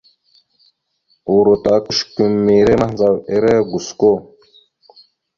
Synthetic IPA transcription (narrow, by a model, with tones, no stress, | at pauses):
u˨ɾo˨ta˨ku˦ʃku˨mːi˨ɾe˦ma˦hnd͡za˨we˨˦ɾe˦ɡu˨sko˦